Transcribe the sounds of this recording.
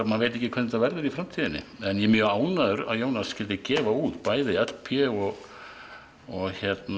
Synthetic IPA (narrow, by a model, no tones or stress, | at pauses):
manveːjt̪̬ɛhcːɪkʰvɛnt̪avɛɾðɪɾifɾamt̪ʰiːðɪnːɪ̰ɛnjɛmjœːaːwnaðʏɾa̰ðjoːwnasːcɪlt̪ɪcɛːvauːt̪paːjðɪɛt̪lpʰjɛɔɣ | ɔɣçɛt̪n